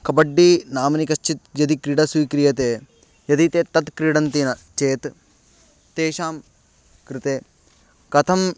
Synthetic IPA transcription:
kɐbɐɖːinaːmɐnikɐst͡ʃit̪̚jɐd̪ikɾiɽɐsuikɾijɐt̪eː | jɐd̪it̪eːt̪ɐt̪kɾiɽɐnt̪inɐt͡ʃeːt̪ | t̪eːʃaːm | kɾɪt̪eː | kɐt̪ʰɐm

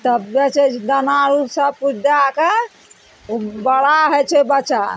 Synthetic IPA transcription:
t̪əbbɛt͡ʃʰɛd̪ənaɾusəbput͡ʃʰd͡ʒake | bəɽaɦɛt͡ʃʰɛbət͡ʃa

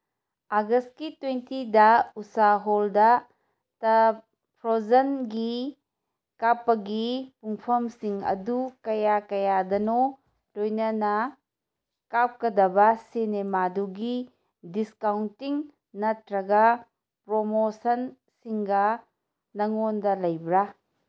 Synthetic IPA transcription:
aɡɐst̚kitwentidɐusaɦoldɐ | tɐ | pʰɾozɐnɡi | kapːɐɡipuŋpʰɐmsiŋɐ̰dukɐjakɐjadɐno | lojnɐnɐ | kap̚kɐdɐbɐsenemaduɡi | diskawntiŋ | nɐtɾɐɡɐ | pɾomosɐn | siŋɡɐ | nɐŋondɐlɐjbɾa

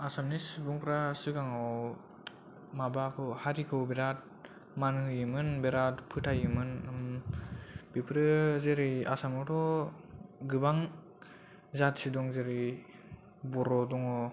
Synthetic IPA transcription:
asamnisbuŋpʰɾasɯɡaŋaw | mabakʰɔhaɾikʰɯwbeɾat̚ | manhɯjɯmɯnbeɾatpʰɯtʰajɯmɯnm | bipʰɾɯzeɾɯja̰samɔtʰɔ | ɡɯbaŋ | zatsidɔŋzeɾij | bɔɾɔdɔŋɔ

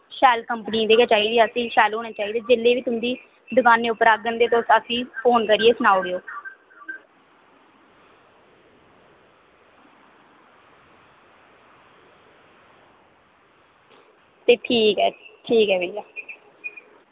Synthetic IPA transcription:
ʃɛːlkəmpnĩːd̪eːkat͡ʃaːiːd̪iːəsĩːʃɛːlɦoːnaːt͡ʃaːiːd̪eːd͡ʒɪlːeːʋiːt̪ʊnd̪iː | d̪ʊkaːnẽːʊpːəɾaːk̚d̪ənd̪eːt̪osəsĩːpʰoːnkəɾieːsʊnaːoɾeoː | t̪eːʈʰiːkɦɛːʈʰiːkɦɛːʋeijaː

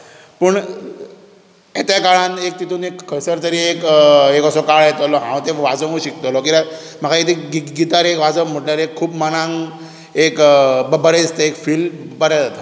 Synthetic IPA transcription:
pəɳ | et̪jakaɭanek̚t̪it̪uːnekkʰːəjsəɾt̪əɾiːekekəsɔkaɭjet̪ɔlɔɦã̰w̃t̪eʋad͡zə̃ŋuɕikt̪olɔk̬ia | məkʰait̪ʰeɡiɡit̪aɾekʋad͡zəm̤əʈljaɾekʰːuːbmanãŋɡ | ekbəbəɽed͡zist̪aekfiːlbəɾjad͡zat̪a

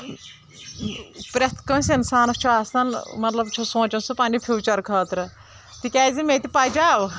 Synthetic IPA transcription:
pɾʲet̪ʰkɐːsʲinsaːnɐkt͡ʃʰuaːsnɐnmɐt̪lɐbt͡ʃʰusõːt͡ʃɐnsɨpanipʰʲuːt͡ʃɐɾkʰɐːt̪ɾɨ | t̪ikʲɛːzimet̪ipad͡ʒaːʋ

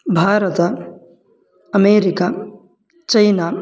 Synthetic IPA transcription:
bʱaːɾɐt̪ɐ | ɐmeːɾika | t͡ʃɐjna

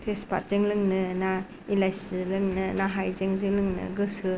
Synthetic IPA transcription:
tʰespʰa̰ɾzeŋlɯŋnɯna | ilajslɯŋnɯnaɦajzeŋzɯŋlɯŋnɯ̰ɡɯsɯ

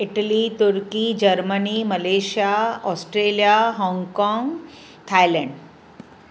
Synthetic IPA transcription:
iʈəlit̪uɾkiːd͡ʑəɾməniməleɕijaɔsʈɾelijaɦɔ̃ŋɡkɔ̃ŋɡ | t̪ʰajlə̃ɳɖ

